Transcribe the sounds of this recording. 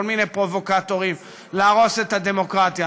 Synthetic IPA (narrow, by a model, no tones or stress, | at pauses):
olminejpʁo̞vo̞kat̪oʁim | leaʁo̞se̞t̪had̪e̞mo̞kʁat̪ja